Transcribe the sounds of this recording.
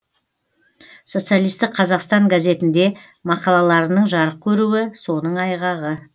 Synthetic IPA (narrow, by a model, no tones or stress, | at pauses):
so̞t̪sɨijalˠijst̪ɪk̚qʰɑzɑqst̪ɑŋɡaze̞t̪ɪnd̪e̞ | mɑqɑlˠɑlˠɑɾənəɴʒɑɾəq̚kʲʰɵɾuwɪso̞nəɴɑjʁɑʁə